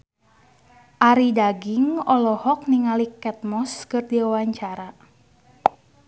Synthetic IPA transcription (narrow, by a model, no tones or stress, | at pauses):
ʔaɾidaɡiŋɔlɔhɔk̚niŋalikɛt̪̚mɔskɨrdiawaɲt͡ʃaɾa